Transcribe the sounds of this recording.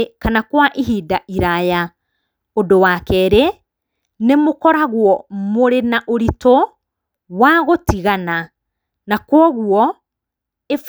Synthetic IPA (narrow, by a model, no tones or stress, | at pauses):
kanakwaʔiɦidaʔiɾaja | odowakɛɾe | nemokɔɾaɣwɔmoɾenaʔoɾitɔ | waɣotiɣana | nakwɔɣuɔ | ef